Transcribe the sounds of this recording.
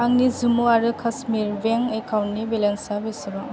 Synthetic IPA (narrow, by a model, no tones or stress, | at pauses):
aŋnizumuaɾɯkʰasmiɾbeŋekʰawnnibelensabesiba